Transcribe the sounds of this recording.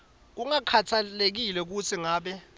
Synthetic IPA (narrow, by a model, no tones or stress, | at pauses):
k̬uŋakʰatʰalek̬ilɛk̬ut͡sʰiŋaːɓɛ